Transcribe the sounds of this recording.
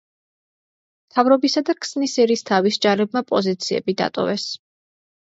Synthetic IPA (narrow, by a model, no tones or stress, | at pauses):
mt̪ʰavɾɔbisad̪akʰsnisɛɾiːst̪ʰavisd͡ʒaɾɛb̚mapʼɔzit̪sʰiɛ̰bid̪a̰t̪ʼɔ̰vɛs